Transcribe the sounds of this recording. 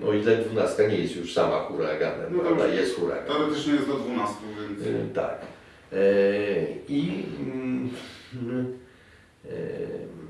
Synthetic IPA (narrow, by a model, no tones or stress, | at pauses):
nʔɔit̪ɛnd̪vunast̪kaɲɛjɛst̪juʂsamaxuɾa̰ɡa̰mɛ̰mɾad̪a̰jɛst̪xuɾa̰ɡaɛɔɾɛt̪ɪt͡ʃɲɛjɛst̪ɔd̪vunast̪uvʲɛnt̪a̰k | i